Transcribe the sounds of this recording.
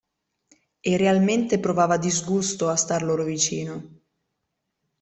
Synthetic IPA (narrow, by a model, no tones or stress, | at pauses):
erːealment̪epɾovaːvad̪izɡust̪oast̪arloːɾovit͡ʃiːno